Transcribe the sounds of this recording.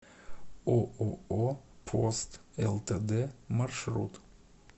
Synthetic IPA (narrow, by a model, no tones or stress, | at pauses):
oːʔooːpʰost̪ɛlt̪ʰeːd̪eːmɑɾʃɾṵt̪